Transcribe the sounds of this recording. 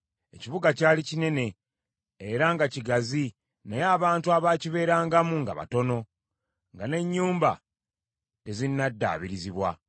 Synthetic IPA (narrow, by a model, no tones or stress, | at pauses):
e̞ciβuɡacaːlicine̞ne̞ː | ɾaŋɡaciɡazi | nejaːβaːntuaβaːciβe̞ːɾaːŋɡamuŋɡa̰βa̰to̞no̞ | ŋɡane̞ɲːuːmba̰ | te̞zinːadːa̰ːβiɾiziβwa